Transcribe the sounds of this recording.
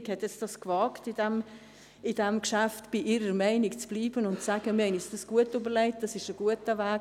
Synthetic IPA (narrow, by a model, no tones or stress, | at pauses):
khɛtjɛt͡sd̥ɑskvɑːktidɛm | ɪdɛmkʃaftb̥iʔiɾəmaɪnɪkt͡sb̥liːbənʊntsaɡ̥əmɪhɛɪnjɛsd̥ɑsɡ̥uətybəlɛɪt̚d̥ɑsɪʃəɡ̥uətəvɛː